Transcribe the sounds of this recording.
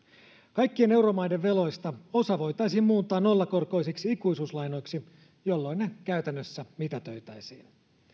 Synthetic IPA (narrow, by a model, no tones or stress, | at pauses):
kɑjkːie̞ne̞uwɾo̞mɑjdeʋʋe̞lo̞jst̪ɑo̞sɑʋo̞jt̪ɑjsiːmmuːt̪ːˑɑːnno̞lːɑko̞rko̞jsiksiikujsuːslɑjno̞jksi | jo̞lːo̞inːekæyt̪ænːøsːæmit̪æt̪ø̞ɥt̪æjsiːn